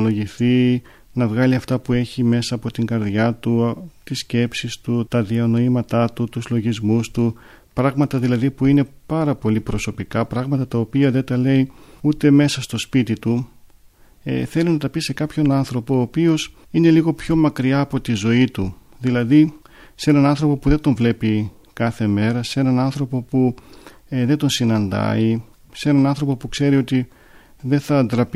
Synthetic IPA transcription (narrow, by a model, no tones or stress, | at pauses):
lo̞ʝiθi | nɐvɣɐliɐft̪ɐpue̞çime̞sɐːpo̞t̪iŋɡɐɾðʝɐt̪ut̪isce̞psist̪ut̪ɐðiɐno̞imɐt̪ɐt̪ut̪uzlo̞ʝizmust̪u | pɾɐɣmɐt̪ɐðilɐðipuine̞pɐɾɐpo̞lipɾo̞so̞pikɐpɾɐɣmɐt̪ɐt̪ɐo̞piɐðet̪ɐle̞iut̪e̞me̞sɐst̪o̞spit̪it̪u | ḛθe̞linɐt̪ɐpise̞kɐpço̞nɐnθɾo̞po̞ːpio̞s | ine̞liɣo̞pço̞mɐkɾiɐːpo̞t̪izo̞it̪u | ðilɐði | se̞nɐnɐnθɾo̞po̞puðe̞d̪o̞ɱvle̞pi | kɐθe̞me̞ɾɐse̞nɐnɐnθɾo̞po̞pu | ðed̪o̞nsinɐnd̪ɐ̰i | se̞nɐnɐnθɾo̞po̞pukse̞ɾio̞t̪i | ðe̞θɐnd̪ɾɐp